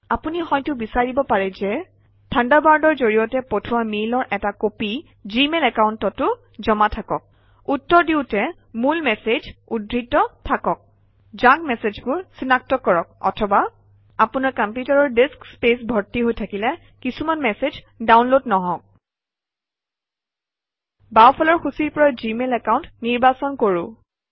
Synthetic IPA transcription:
apunihɔjtʊbisaɹibɔpaɹɛzɛ | tʰandabaɹdɔɹzoɹijɔtɛpotʰʊwamelɔɹʔɛtakopi | zimelɛkaʊntɔtːʊ | zɔmatʰakɔk̚ | utːɔɹdiʊtɛ | mulmɛsed͡ʒudɹitːɔtʰakɔk̚ | zak̚mɛsed͡ʒbʊɹsinak̚tɔkːɔɹɔk̚ɔ̰tʰɔba | apʊnaɹkampjutaɹɔɹdeskspesbʱɔɹtiɦojtʰakilɛ | kisumanmɛsez | dawnlodnɔɦɔ̃k̚ | bawpʰɔlɔɹxusiɹpɔɹajzimelɛkawntniɹbasɔnkoɹʊ̃

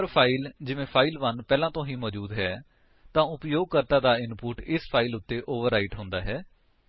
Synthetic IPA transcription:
əɾpʰaːild͡ʒɪʋẽːpʰaːilʋənpɛːlãːt̪õːɦĩːmɔːd͡ʒuːd̪ɦɛː | t̪ãːʊpjoːɡ̚kəɾt̪aːd̪aːɪnpuːʈɪspʰaːilʊt̪ːeːʔoːʋəɾːaːɪʈɦʊ̃ːnd̪aːɦɛː

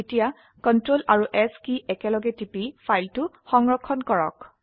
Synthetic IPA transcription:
etija | kɔntɹolʔaɹuʔɛskiʔɛkɛlɔɡɛtipifʰajltʊ | xɔŋɹɔkʰːɔnkɔɹɔ̰k

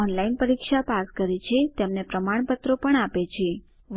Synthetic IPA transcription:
ɔnlainpəɾikʃapaskəɾet͡ʃʰet̪emnepɾəmaɳ̃pət̪ɾopəɳapet͡ʃʰe | ʋ

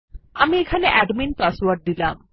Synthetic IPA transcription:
amiekʰaneʔɛɖminpaswaɾʈ̚d̪ilam

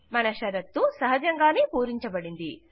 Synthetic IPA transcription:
mɐnɐʃɐɾɐt̪ːusɐɦɐd͡ʒɐŋɡaːnepuːɾiɲt͡ʃɐbɐɽind̪i

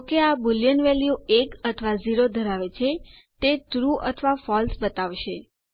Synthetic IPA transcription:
okeabuljənʋeljuekət̪ʰəʋaziɾod̪ʱəɾaʋet͡ʃʰe | t̪et̪ɾuʔə̰t̪ʰʋafɔlsbət̪aʋʃe

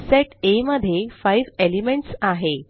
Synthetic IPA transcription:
seʈeməd̪ʱːjefaiʋelimeɳʈsaɦe

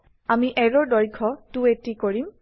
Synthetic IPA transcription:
amiʔɛɹɔɹdɔɹkʰɔtuetikoɹim

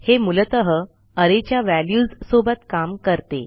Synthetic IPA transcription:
hemulət̪əɦə | əɾet͡ɕjaʋæljuːzsobət̪kamkəɾt̪e

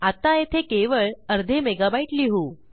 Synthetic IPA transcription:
at̪ajet̪ʰekeʋəɭəɾd̪ʱemeɡabaiʈliɦu

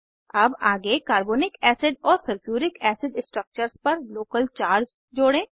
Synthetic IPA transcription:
ɐbaːɡekaːɾboːnɪkɛːsɪɖɔːɾsɐɾkjuːɾɪkɛːsɪɖsʈɾək̚t͡ʃəɾspɐɾloːkəlt͡ʃaːɾd͡ʒ | d͡ʒoːɽẽː

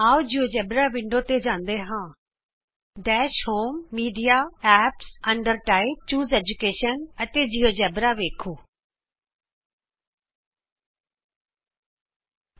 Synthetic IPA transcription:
aːod͡ʑiːod͡ʑɛbɾaʋɪ̃ɳɖot̪ed͡ʑãːnd̪eɦãː | ɖɛːʃhoːmːiːɖijaɛːpsɐ̃ɳɖəɾʈaːɪb̚t͡ɕuːzeːd͡ʑukeːʃənɐt̪ed͡ʑiːod͡ʑɛːbɾaʋeːkʰoː

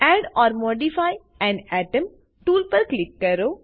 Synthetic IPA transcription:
ɛːɖɔːɾmɔːɖifaːj | ɛ̃nɛːʈəm | ʈuːlpɐɾklɪkːɐɾoː

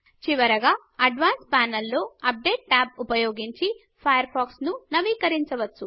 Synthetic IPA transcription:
t͡ʃiʋɐɾɐɡaː | ɐɖʋaːnspaːnɐlːo̞ːɐp̚ɖe̞ːʈːaːp̚upɐjoːɡiɲt͡ʃi | pʰɐjɐɾpʰaːksnunɐʋiːkɐɾiɲt͡ʃɐʋɐt͡ʃːu

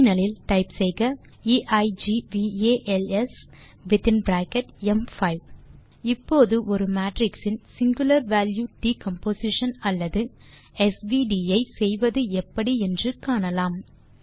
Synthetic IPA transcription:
nɐlɪlʈɐɪpsɛjɣɐ | iːʔɐɪd͡ʒiʋiːeːʔɛlɛs | ʋɪt̪ɪnbɾaːkɛʈɛmfɐɪʋ | ɪpːoːðɯʔɔɾɯmaːʈɾɪksɪnsɪŋɡʊlɐɾʋaːljuːʈiːkɐmpoːsɪʂɐnɐlːɐðɯ | ɛsʋiːɖiːɐɪsɛjʋɐðɯɛpːɐɽiɛndrɯkaːɳɐlaːm

